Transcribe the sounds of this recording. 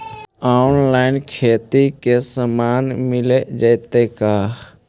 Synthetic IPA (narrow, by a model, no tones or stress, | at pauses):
aːnlaːɪnkʰeːt̪ikesəmaːnmɪled͡ʒəɪt̪ekaː